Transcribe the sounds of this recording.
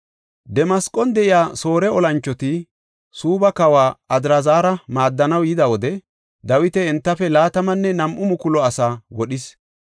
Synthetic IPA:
d̪ɛmɐskʼɔnd̪ɛʔɪjaːso̞ːɾɛɔlɐnt͡ʃːɔt̪ɪ | suːbɐkɐwaːɐd̪ɾɐzaːɾɐmaːd̪ːɐnɐwjɪd̪ɐwɔd̪ɛ | d̪ɐwɪt̪ɛɪnt̪ːɐfɛlaːt̪ɐmɐnːɛnɐmʔʊmʊkʊlɔɐsaːwɔɗɪs

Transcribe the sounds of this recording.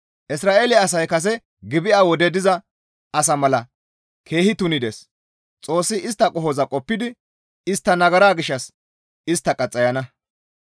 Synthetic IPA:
ʔɪsɾaːʔeːlɪɐːs̬ɐjkɐs̬ɛ | ɡɪbɪʔaːwɔd̪ɛd̪ɪzɐ | ɐsɐmɐlɐ | kʰe̞ːhɪt̪ʊnɪd̪es | t͡sʼo̞ːsːɪɪst̪ːɐkʼɔɦɔzɐkʼɔpːɪd̪ɪ | ɪst̪ːɐnɐɡɐɾaːɡɪʃːɐs | ɪst̪ːɐkʼɐt͡sʼːɐjɐnɐ

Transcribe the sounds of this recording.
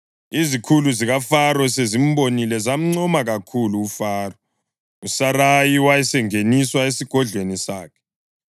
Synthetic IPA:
izikʰuluziɣafaɾɔsezim̩bonilɛzam̩ŋ͡ǀɔmaɣakʰuluːfaːrɔ | usarajiwajɛsɛŋeniswaesiɡ̥ʱɔɮʱwenisa̰ːkʰɛ̥

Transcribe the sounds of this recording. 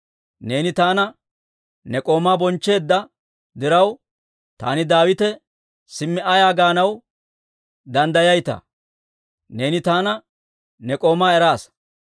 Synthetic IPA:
ne̞ːnɪt̪aːnɐ | nɛkʼo̞ːmaːbɔnt͡ʃːe̞ːd̪ːɐ | d̪ɪɾɐw | t̪a̰ːnɪd̪aːwɪt̪ɛ | sɪmːɪʔɐjaːɡaːnɐw | d̪ɐnd̪ɐjɐjt̪ɐ̰ | ne̞ːnɪt̪aːnɐ | nɛkʼo̞ːmaːɛɾaːs

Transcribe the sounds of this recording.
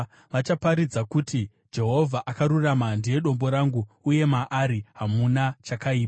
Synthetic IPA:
ʋat͡ʃapaɾid͡zakuti | d͡ʒe̞ɦo̞vʱaʔakaɾuramandije̞ɗo̞mbo̞ɾaŋɡuːje̞maʔaɾiɦamunat͡ʃakaiːpa

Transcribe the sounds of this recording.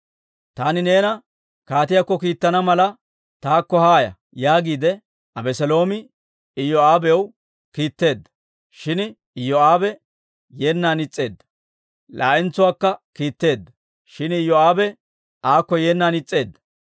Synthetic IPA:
t̪aːnɪne̞ːnɐ | kaːt̪ɪjakːɔkiːt̪ːɐnɐmɐlɐ | t̪aːkːɔhaːjɐ̰ | jaːɡiːd̪ɛ | ɐbɛsɛlo̞ːmɪ | ɪjoaːbɛw | kiːt̪ːe̞ːd̪ːɐ̥ | ʃɪn | joaːbɛ | jeːnːaːnɪt͡sʼːe̞ːd̪ːɐ̥ | lʔa̰ːʔɪnt͡sːʊwaːkːɐkiːt̪ːe̞ːd̪ːɐ̥ | ʃɪnɪjɔaːbɛ | aːkːɔjeːnːaːnɪt͡sʼːe̞ːd̪ːɐ̥

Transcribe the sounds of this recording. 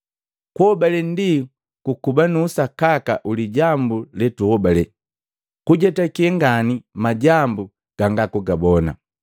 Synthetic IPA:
kuhɔbalɛndi | kukubanuːsakaka̰ʔuliɟambulɛtuhɔbalɛ | kuɟɛtakiɛŋɡanimaɟambu | ɡ̥aŋɡakuɡabɔna̰

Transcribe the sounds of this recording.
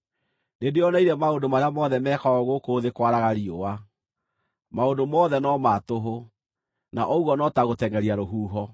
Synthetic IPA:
nedeɔnaiɾɛmaondomaɾeamɔðɛmɛkaɔɣokoːðekwaɾaɣaɾiowa | maondomɔðɛnɔmatoɦo | na̰ʔɔuɣɔnɔtaɣotɛŋɡɛɾiaɾoɦuːɦɔ

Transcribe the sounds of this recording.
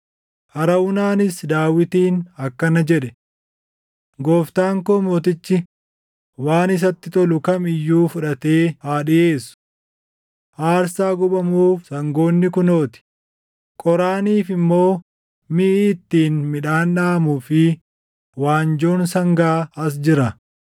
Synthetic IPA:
ʔɐɾɐwʊnaːnɪsd̪aːwɪt̪iːnɐkːɐnɐd͡ʒɛᶑɛ | ɡoːft̪aːŋkomoːt̪̬ɪt͡ʃːɪ | waːnɪs̬ɐt̪ːɪt̪ɔlʊkɐmɪjːuːfʊᶑɐt̪e̞ːhaːᶑɪʔe̞ːsʊ̥ | ʔaːɾsaːɡʊɓɐmuːfsɐŋɡo̞ːnːɪkʊno̞ːt̪ɪ̥ | kʼɔɾaːniːfɪmːo̞ː | mɪʔiːt̪ːiːnmɪᶑaːnᶑaːmuːfɪ | waːnd͡ʒo̞ːnsɐŋɡaːɐs̬d͡ʒɪɾɐ

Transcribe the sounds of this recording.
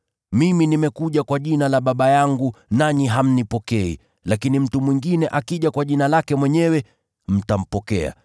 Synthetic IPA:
miminimɛkuʄakwaʄinalaɓaɓajaŋɡunaniɦam̩nipɔkɛḭ | lakinim̩tumwiŋɡinɛʔakiʄakwaʄinalakɛmwɛɲɛwɛ | m̩tam̩pɔkɛ̰a̰

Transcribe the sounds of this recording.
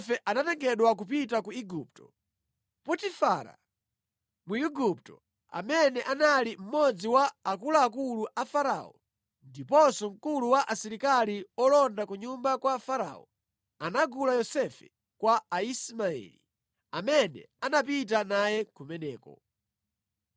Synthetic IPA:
fɛʔanatɛŋɡɛɗwak̬up̬itakuiɡup̚tɔ̥ | putifaɾa̰ | muiɡup̚tɔ̰ | a̰mɛnɛʔanalim̩mɔd͡ziwaːkulaːkuluʔafaɾa̰ɔ̰ | ndipɔsɔŋ̩kuluwaʔasiɾikaliɔlɔndakuɲumbakwafaɾa̰ːɔ̰ | anaɡulajɔsɛfɛ̥̰ | kwaaismaɛ̰lḭ | amɛnɛ̰ | anap̬it̬anajɛkumɛnɛːkɔ̰

